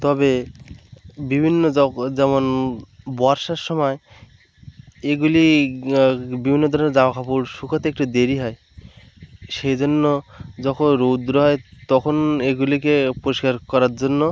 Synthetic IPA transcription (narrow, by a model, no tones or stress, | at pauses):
t̪ɔbe | bibʱinːod͡ʑɛmonbɔaɾʃaɾʃɔmɔe | eɡuli | bibʱinːod̪ʱɔɾoneɾd͡zabakʰapuɾʃukʰat̪ek̚ʈud̪eɾiɦɔe | ʃejd͡ʑonːod͡ʑɔkʰonɾod̪ɾoɦɔet̪ɔkʰoneɡulikepoɾoʃkaɾkɔɾaɾd͡ʑonːo